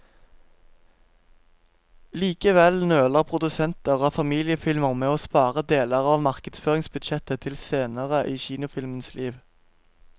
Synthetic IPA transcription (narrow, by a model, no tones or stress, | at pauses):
liːkəʋɛlnøːləʁpʰʁʊd̪ʉsɛnt̪əʁoːfɑmiːlɪəfɪlməʁmeːoːspɑːʁəd̪eːləʁɑːʋmɑʁkəd̪sføːʁɪŋsbʉd̪ʃɛt̪ət̪ʰɪlseːnəʁəʔiːçiːnʊfɪlmənslʔiːʋ